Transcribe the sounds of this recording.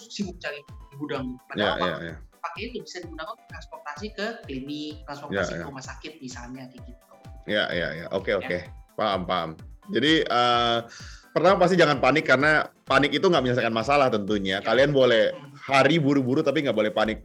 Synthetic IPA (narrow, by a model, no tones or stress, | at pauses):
sibuk̚t͡ʃaidibudaŋaja̰ja̰ja̰pakɛit̪ʊbisadibudaŋat̪ɾanspɔrt̪asikəkinit̪ɾanspɔrja̰sijka̰umasakɪt̪̚misalɲakikit̪̚uja̰ja̰ja̰ʔo̰keokepaəmpaə̰md͡ʒadiəː | pərt̪amapast̪id͡ʒaŋanpanɪkːaɾənapanɪkit̪uŋɡaʔməɲas̬akanmasalaht̪ənt̪uɲakalianbolɛhhaɾibuɾubuɾut̪ap̬iŋɡaʔbolɛhpanɪk̚